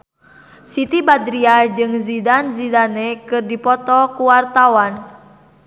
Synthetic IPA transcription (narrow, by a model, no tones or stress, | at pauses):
sit̪ibad̪ɾiad͡ʒɨŋzidanzidanɛkɨrdipɔt̪ɔkuwart̪awan